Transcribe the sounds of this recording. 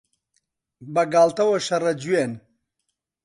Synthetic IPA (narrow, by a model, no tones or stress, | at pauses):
bɐɡaːlt̪ɐwɐʃɐɾɐd͡ʒwen